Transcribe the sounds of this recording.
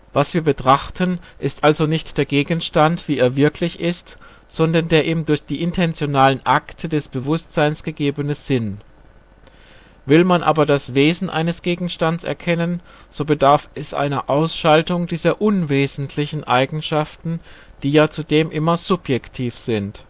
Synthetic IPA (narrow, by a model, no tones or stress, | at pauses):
v̥asv̥iːɐbətʁ̥aχtʰənʔɪstʔalzonɪçtd̥eːɐɡeːɡn̩ʃtantv̥iːeːɐvɪɐkʰlɪçɪst | z̥ɔndɐndeːɐʔiːmdʊɐçd̥iːʔɪntʰɛnt͡sjonaːlənʔaktʰədɛsb̥əvʊstz̥aɪnsɡ̥əɡeːbənəz̥ɪn | vɪlmanʔa̰ːbɐdasv̥eːzn̩ʔa̰ɪnəsɡ̥eːɡŋ̩ʃtansɛ̰ɐkʰɛnən | z̥oːbədaɐfɛsʔa̰ɪnɐʔaʊsʃaltʊŋdiːzɐʔʊnveːzn̩tʰlɪçn̩ʔaɪɡŋ̩ʃaftn̩d̥iːjaːt͡sudeːmʔɪmɐz̥ʊpjɛktʰiːfz̥ɪnt